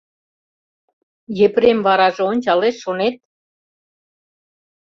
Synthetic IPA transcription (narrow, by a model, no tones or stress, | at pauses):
jepɾemβɑɾɑʒeonʲt͡ɕɑleʃːonet̪̚